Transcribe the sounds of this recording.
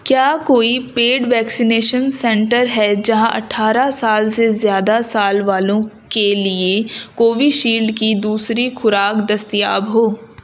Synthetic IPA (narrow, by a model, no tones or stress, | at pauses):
kjaːkoːipeːɖʋɛːksineːʃənsɛ̃ɳʈəɾɦɛd͡ʒɐɦãʔɐ̰ʈʰaːɾasaːlsezjaːd̪asaːlʋaːlõkeliekoːʋiʃiːlɖkid̪uːsɾixʰʊɾaːkd̪ɐst̪ija̰ːbɦoː